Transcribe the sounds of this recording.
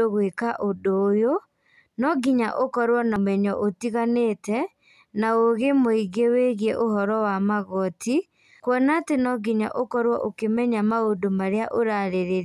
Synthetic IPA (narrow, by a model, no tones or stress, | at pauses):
oɣwekaʔodoːjo | nɔɡiɲa̰ʔokɔɾwɔnamɛɲɔʔotiɣaneːtɛ | naoɣemoiɡeweɣiɛʔohɔɾɔwamaɣɔtʰi | kwɔnatenɔɡiɲa̰ʔokɔɾwɔʔokemɛɲamaodomaɾeaʔoɾaɾeɾe